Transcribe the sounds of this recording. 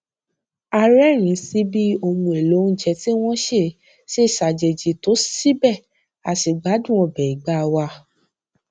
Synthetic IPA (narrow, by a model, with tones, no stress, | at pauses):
a˧ɾɛ˦ɾ̃ĩ˨˦si˦bi˦o˧mũ˧e˨lo˨˦n̩˦d͡ʒɛ˧˦ti˦w̃ɔ̃˦ʃe˦˨ | se˦˨ʃa˨d͡ʒe˨d͡ʒe˨˦to˨˦si˦bɛ˦˨ | a˨ti˨ɡ͡ba˨˦dũ˦˨ɔ̃˧˨bɛ˨i˨ɡ͡ba˨˦˧wa˧